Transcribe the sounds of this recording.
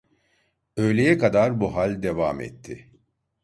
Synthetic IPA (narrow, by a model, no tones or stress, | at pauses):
ø̞jlʲe̞jɛkad̪aɾbuɦalʲd̪evaːmɛ̰t̪ʰːɪ